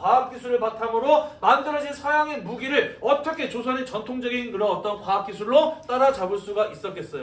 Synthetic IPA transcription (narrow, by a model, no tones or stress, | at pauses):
kwaap̚k͈isʰuɾɯɭpatʰamɯɾomandɯɾʌɕʰinsʰajaŋemuɡiɾɯɭʌt͈ʌkʰe̞t͡ɕosʰʌnet͡ɕʌntʰoŋd͡ʑʌɡinkɯɾʌʌt͈ʌnkwaap̚k͈isʰuɭːot͈aɾat͡ɕabɯɭs͈uɡaʔis͈ʌk͈e̞s͈ʌjo